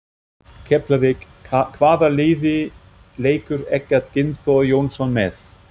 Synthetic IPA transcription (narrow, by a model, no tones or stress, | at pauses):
cʰɛplavɪk | kʰvaːðaleːðɪ | leːjkʏɾɛcːaɪnθɔjoːwnsɔnmɛθ